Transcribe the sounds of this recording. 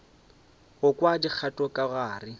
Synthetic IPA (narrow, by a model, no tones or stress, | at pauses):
ɣʊkwadik͡xʰatʼɔkʼaɣaːrɪ